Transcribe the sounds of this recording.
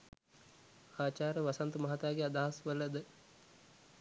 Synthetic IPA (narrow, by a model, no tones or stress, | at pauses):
aːt͡ʃaːɾəʋasant̪umɐɦat̪aːɡead̪aɦasʋələd̪ə